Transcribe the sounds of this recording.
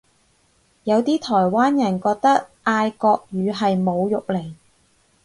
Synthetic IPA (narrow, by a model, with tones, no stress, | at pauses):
jɐ˨˧wt̪iː˥t̪ʰɔː˨˩jwaː˥njɐ˨˩nkɔː˧k̚t̪ɐ˥k̚ʔaː˧jkɔː˧k̚jyː˨˧ɦɐ˨jmo˨˧wjʊ˨k̚le˨˩j